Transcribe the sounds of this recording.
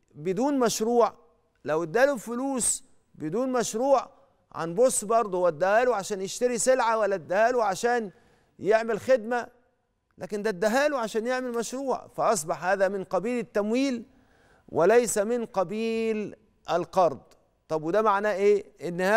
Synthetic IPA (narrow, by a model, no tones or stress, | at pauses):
bɪd̪uːnmæʃɾuːʕ | læwɪd̪ːæːlufʊluːs | bɪd̪uːnmæʃɾuːʕ | ʕa̰nbosːbɑɾˤd̪ˤwæd̪ːæhæːluʕaʃæːnjeʃt̪æɾisɪlʕawælːæd̪ːæhæːluʕaʃæːn | jeʕmɪlxed̪mæ | lʔæ̰ːkɪnd̪æd̪ːæɦæːluʕaʃæːnjeʕmelmæʃɾuːʕfæʔɑsˤbɑħhæːðæmɪnqɑbiːlɪt̪ːæmwiːl | wʔɪlæjsæmɪnqɑbiːl | ʔælqɑɾˤd̪ˤ | t̪ˤɑbwed̪æmaʕnæʔeːʔɪnːhæː